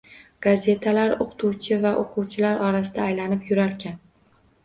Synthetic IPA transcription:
ɡ̥aze̞t̪ʰalaɾoqʰt̪ʰuwt͡ʃʰɪvaʔoqʰuwt͡ʃʰɪlaɾʔɒɾas̬ɪd̪aːjlanɪpjʊɾaɾkʲan

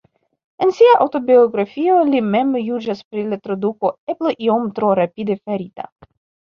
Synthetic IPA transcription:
ensiaʔawto̞bioɡɾafio̞lime̞mjud͡ʒaspɾilatɾoduko̞eploʔio̞mt̪ɾoɾapidefaɾita̰

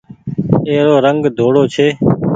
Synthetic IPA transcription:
eːɾoːɾəŋɡd̪ʱoːɽoːt͡ʃʰeː

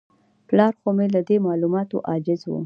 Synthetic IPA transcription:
plɑɾxomelad̪emɑlumɑt̪o̰ʔɑd͡ʒɪzwṵ

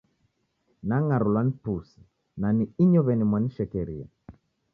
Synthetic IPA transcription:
naŋaɾulanpusi̥ | naniiɲɔβɛnimwaniʃɛkɛɾia̰

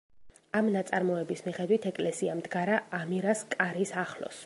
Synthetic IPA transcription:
amnat̪sʼaɾmɔɛbismiχɛd̪wit̪ʰɛkʼlɛsiamd̪ɡaɾaːmiɾaskʼaɾisaχlɔ̰s

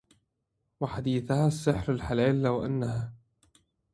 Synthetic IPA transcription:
waħad̪iːθahaːsːɪħɾalħalaːlːawʔanːahaː

